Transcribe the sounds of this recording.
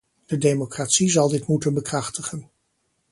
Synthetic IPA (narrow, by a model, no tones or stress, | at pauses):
d̥ədejmokraːtsizɑlˠdɪtmutənbəkrɑχtəχən